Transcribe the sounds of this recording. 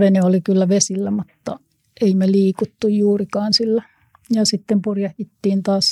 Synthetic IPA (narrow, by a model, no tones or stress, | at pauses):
ʋeneolikylːæʋesilːæmut̪ːɑ | eimeliːkut̪ːujjuːrikɑːnsilːæ | jɑsit̪ːempurjɑhjit̪ːiːnt̪ɑːs